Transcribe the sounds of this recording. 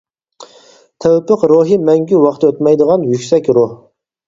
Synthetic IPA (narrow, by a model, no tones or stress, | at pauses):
t̪ʰæwpəqɾuɦɨmɛŋɡʲywɑχt̪ʰɐøt̪mɛjd̪əʁɑnjykʲsɛkʲɾuh